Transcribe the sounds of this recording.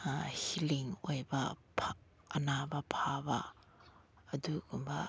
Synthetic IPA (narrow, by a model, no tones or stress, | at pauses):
hiliŋojbɐpʰː | nabɐpʰabɐː | duɡumbɐ